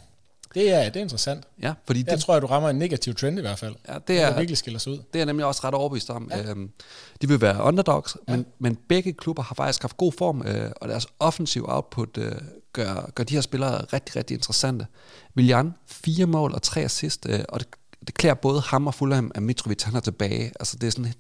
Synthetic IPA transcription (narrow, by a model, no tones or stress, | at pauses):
d̥eæd̥e̝e̝nd̥ʁɐsæn̰d̥jæfɒdḭːd̥et͡sʰʁoɐduʁɑ̈mɐenːe̝ɡ̥æt͡sʰiʊt͡sʰʁɛnd̥iʋæɐd̥fæl̰jæd̥e̝æɐiɐɡ̥lisɡ̥elɐsuð̰ˠd̥e̝æɐnemliɒ̽sʁɑ̈ɾ̥ɒʊɐb̥əʋḭsd̥ɒ̽mø | d̥iʋe̝ʋæːɐʔɒnd̥ɐd̥ɒɡ̥smenmenb̥eɡ̥əkʰlub̥ɐhɑ̈fɑ̈ɡ̥isɡ̥hɑ̈fd̥ɡ̥o̝̰ːfɒ̰ːmø̰ɒ̽d̥æɐsɒ̽fən̩sḭʊɑ̈ʊd̥̚pʰo̝d̥øɡ̥ɶɐ̰ɡ̥ɶɐd̥iheɐsb̥e̝lɐːʁɛɡ̥d̥iʁɛɡ̥̚die̝nd̥ʁəsæn̰d̥ə | ʋilijɑnfiːɐmɔ̰ːlʔɒ̽t͡sʰʁɛ̰ːsisd̥øɒ̽d̥ed̥e̝kʰlḛːɐb̥ɔ̽ːð̞̩ˠəhɑ̈mɒ̽fulhæmæmit͡sʰʁoʋit͡shænæɐt͡sʰe̝b̥ɛːɪʔælsə̥d̥e̝æɐsɔ̽n